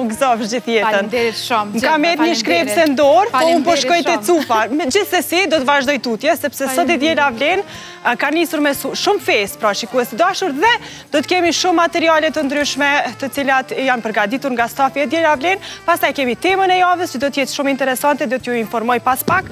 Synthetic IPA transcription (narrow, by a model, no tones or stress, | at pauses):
uɡzɔvʃd͡ʑiθjɛənŋkamɛt̪ɲəʃkɾɛpsɛnd̪ɔɾpɔunpɔʃkɔjt̪ɛt͡sufamɛd͡ʑiθsɛsid̪ɔt̪əvaʒd̪ɔjt̪ut̪jɛsɛpsɛsɔd̪id̪jɛlavlɛn | kanisuɾmɛsuʃumfɛspɾaʃikuɛsid̪aʃuɾðɛ | d̪̥ɔt̪əkɛmiʃumːat̪ɛɾialɛt̪ənd̪ɾyʃmɛt̪ət͡silat̪janpəɾɡad̪it̪uɾŋɡast̪afiɛd̪jɛlavlɛnpast̪ajkɛmit̪ɛmənɛjavəst͡ʃəd̪ɔt̪əjɛt͡ʃʃumint̪ɛɾɛsant̪ɛd̪ɔt̪əjuinfɔɾmɔjpaspak